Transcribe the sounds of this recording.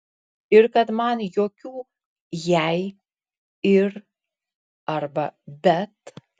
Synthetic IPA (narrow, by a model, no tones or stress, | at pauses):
ɪɾkɐt̪mɐnjoːkʲuː | jɛɪ | ɪɾ | ɐɾbɐbʲɛt̪